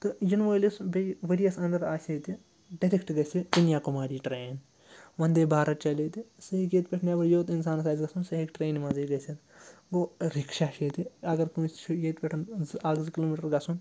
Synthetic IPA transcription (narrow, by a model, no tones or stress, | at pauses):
t̪ɨjinʋoːlisbeʋɐɾijɐsɐ̃nd̪ɐɾaːset̪i | ɖɐɾikʈɡɐsʲid̪unjaːkumaːɾiːʈɾeːn | ʋɐnd̪eːbʱaːɾɐt̪̚t͡ʃɐleːt̪isɐɦikjeːt̪pʲeʈʰnɐbɐɽjoːt̪ins̬aːnsaːzɡɐsunsɐɦikʈɾeːnmɐziɡɐsʲit̪ɡoːɾikʃaːʃeːt̪iɐɡɐɾkuːst͡ʃʰujeːt̪pʲeʈʰɐnaːɡzkiloːmiʈɐɾɡɐsun